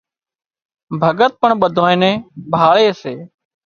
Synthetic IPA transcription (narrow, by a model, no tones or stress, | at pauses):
bʱəɡət̪̚pəɳɓəd̪ʱoːẽːnẽːbʱaːɭeːseː